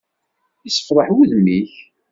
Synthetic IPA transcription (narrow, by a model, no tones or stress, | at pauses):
isə̥fɾˤɑħwuðmiç